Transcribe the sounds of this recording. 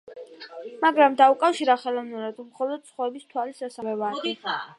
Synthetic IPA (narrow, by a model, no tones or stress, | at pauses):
maɡɾamd̪aukʼafʃiɾaχɛlˠɔvnuɾad̪mχɔlˠɔd̪̚t̪sʰχɔɛbist̪ʰwalisasavɛvaːd̪ɛ